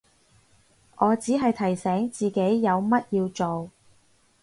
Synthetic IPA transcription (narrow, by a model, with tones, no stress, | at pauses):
ʔɔː˨˧t͡siː˨˥ɦɐ˨jt̪ʰɐ˨˩jsɛː˨˥ŋt͡siː˨ke˨˥jːɐ˨˧wmɐ˥t̚jiː˧wt͡so˨w